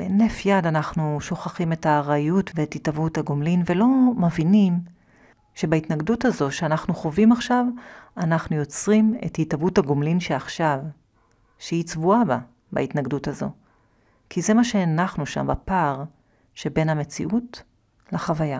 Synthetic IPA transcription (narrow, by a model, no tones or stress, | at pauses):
benefjadanaχnuʃo̞χaχime̞taːʁajutveːthitavuthaɡomlinvelo̞mevinim | ʃe̞baitnaɡduthazo̞ʃeanaχnuχo̞vimaχʃavanaχnujo̞t͡sʁime̞̰thitavuthaɡomlinʃeaχʃav | ʃeit͡svuaba | ba̰itnaɡduthazo̞̰ | kʰize̞maʃeanaχnuʃa̰mbapaʁ | ʃebe̞nhame̞t͡sḭʔut | laχavaja